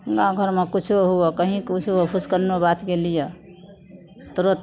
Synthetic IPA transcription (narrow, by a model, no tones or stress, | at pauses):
ɡãɡʱəɾmekut͡ʃʰuɦuɔkəɦĩkut͡ʃʰuɔpʰuskəɾnobat̪ɡelijɔ | t̪ɾot̪